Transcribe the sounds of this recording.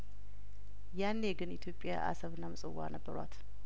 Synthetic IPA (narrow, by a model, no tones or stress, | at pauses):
janːeɡɨnit̪ʰjo̞pʼːɪja̰ʔa̰səβɨnːamɨsʼəwːa̰nəbːəɾwa̰t̪